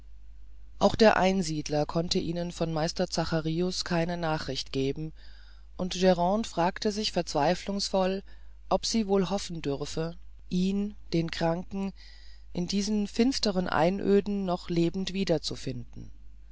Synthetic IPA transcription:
ʔaʊxd̥eːɐʔaɪnziːdlɐkʰɔntəʔiːnənfɔnmaɪstɐt͡saχaʁiːʊskʰaɪnənaːχʁ̥ɪçtɡ̥eːbm̩ | ʔʊntʒ̥ɛʁɑ̃ːnfʁ̥aːktəzɪçfɛɐt͡sv̥aɪflʊŋsfɔl | ʔɔpz̥iːvoːlɦɔfn̩dʏʁfə | ʔiːnd̥eːnkʁ̥aŋkŋ̩ | ʔɪndiːzn̩fɪnstəʁənʔa̰ɪnʔø̰ːdn̩ːɔχleːbm̩tv̥iːdɐt͡sufɪndn̩

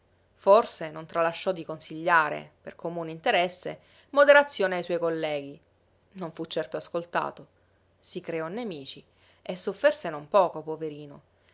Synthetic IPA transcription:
forsenont̪ɾalaʃːɔd̪ːikonsiʎːaːɾḛpḛrkʰomuːneint̪eɾɛsːḛ | mod̪eɾat̪sːjoːneajswɔjkolːɛːɡi | noɱfut͡ʃːɛrt̪oaskolt̪a̰ːt̪o | sikɾeɔnːemiːt͡ʃi | esːofːersenompɔːkopoveɾiːno

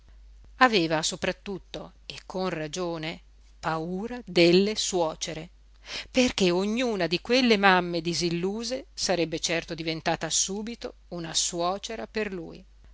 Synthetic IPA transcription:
aveːvasopɾat̪ːut̪ːo | ekʰːonrad͡ʒoːne | pauːɾad̪elːeswɔːt͡ʃeɾe | perkeoɲːuːnad̪ikwelːemamːed̪izilːuːzesaɾɛbːet͡ʃɛrt̪od̪ivent̪aːt̪asuːbit̪ounaswɔːt͡ʃeɾaperlṵːj

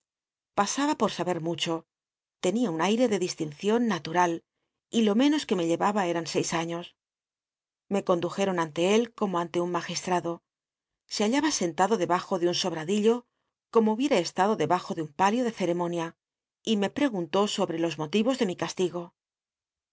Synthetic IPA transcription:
pasaβapo̞ɾsaβe̞ɾmut͡ʃo̞ | t̪e̞niaunajɾe̞ðe̞ðist̪inθjo̞nːat̪uɾal | ilo̞mẽ̞no̞ske̞me̞ʎe̞βaβae̞ɾanse̞jsaɲo̞s | me̞ko̞nd̪uxe̞ɾo̞nant̪e̞e̞lko̞mo̞ant̪e̞unmaxist̪ɾaðo̞ | se̞aʎaβase̞nt̪aðo̞ðeβaxo̞ðeunso̞β̞ɾaðiʎo̞ | ko̞mouβje̞ɾaest̪aðo̞ðe̞βaxo̞ðeumpaljo̞ð̞e̞θe̞ɾe̞mo̞nja | ime̞pɾe̞ɣunt̪o̞so̞βɾe̞lo̞zmo̞t̪iβo̞zðe̞mikast̪iɣo̞

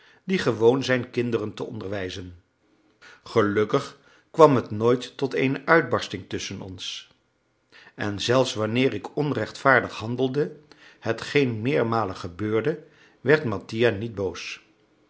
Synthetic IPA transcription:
d̥iχəʋownzɛjnkɪndərəntəɔ̰ndəɹʋɛjzən | χəlɵkəχ | kʋɑmɦətnojtːɔtejnəʔœɥd̚bɑɹstɪŋtɵsənɔ̰ns | ɛnzɛlˠfsʋanɪːɹɪkʰɔnrɛχtfaːɹdəχhɑndəlˠdəhətχejnmɪːɹmaːləχəbøːɹdə | ʋɛɹtmɑtijanid̚bows

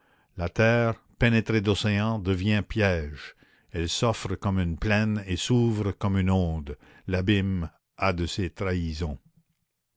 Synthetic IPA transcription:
lat̪ɛːʁ | penet̪ɾed̪oseɑ̃d̪əvjɛ̃pjɛːʒ | ɛlsɔfɾəkɔmynplɛnesuvʁəkɔmynɔ̃ːd̪ | labim | ad̪əset̪ɾaizɔ̃

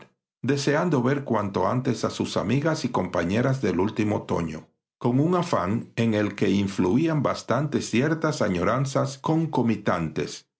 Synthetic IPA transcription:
d̪e̞se̞and̪o̞βe̞ɾkwant̪o̞ant̪e̞sasusa̰miɣasiko̞mpaɲe̞ɾazðe̞lult̪imo̞t̪o̞̰ɲo̞̰ | ko̞ŋuŋafa̰ŋe̞ŋe̞lke̞iɱfluiambast̪ant̪e̞sje̞ɾt̪asaɲo̞ɾansasko̞ŋko̞mit̪ant̪e̞̰s

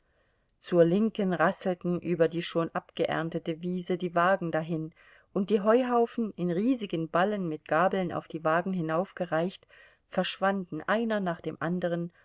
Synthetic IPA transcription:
t͡suːɐlɪŋkənʁasl̩tn̩ʔyːbɐdiːʃoːnʔapɡ̥əʔɛ̰ɐntətəviːzədiːvaːɡŋ̩daɦɪn | ʔʊnt̚d̥iːɦɔʏɦaʊfn̩ɪnʁiːzɪɡənbalənmɪt̚ɡ̥aːbl̩nʔa̰ʊfd̥iːvaːɡŋ̩ɦɪnaʊfɡ̥əʁaɪçt | fɛɐʃv̥andn̩ʔaɪnɐnaːχd̥eːmʔandəʁ̞ən

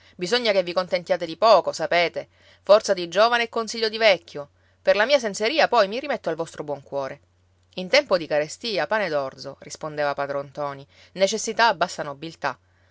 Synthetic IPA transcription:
bizoɲːakevːikont̪ent̪jaːt̪ed̪ipɔːkosapeːt̪e | fɔrt̪sad̪id͡ʒoːvaneːkːonsiʎːod̪ivɛkʲːjo | perlamiːas̬enseɾiːapɔjmirimet̪ːoalvɔst̪ɾobwɔŋkwɔːɾʔe | int̪ɛmpod̪ikaɾest̪iːapaːned̪ɔrd̪zorispond̪eːvapad̪ɾont̪ɔːninet͡ʃesːit̪aːbːasːanobilt̪a

